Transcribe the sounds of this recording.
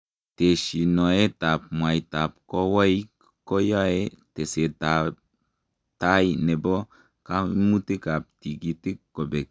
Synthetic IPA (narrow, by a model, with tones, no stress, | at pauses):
te˨ʃi˨no˨e˦ta˨p̚mwa˨jta˨p̚ko˦wa˦j | ko˦ja˦e˦te˨se˨ta˨ | ta˦jine˨bo˦ | ka˦mu˦ti˦ka˨p̚ti˨ɡi˨ti˦kːkːo˨be˨k̚